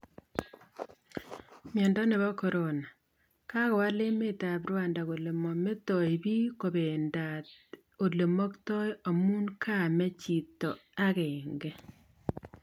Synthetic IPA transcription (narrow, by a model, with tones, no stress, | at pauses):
mjɛ˨ndɔ˦ne˨βa˦kɔ˨ɾo˨na˨ | ka˦ɣɔ˨wa˦le˦me˦ta˨bɾwa˨nda˨ɣo˨le˨mɔ˨me˦tɔ˨i˨βi˦ko˨be˨ndat | o˨le˨mɔ˦ktɔ˦jo˨mu˦nkʰa˦˨mɛ˦t͡ʃi˨tɔ˨a˦ɣɛ˨ŋɡɛ˦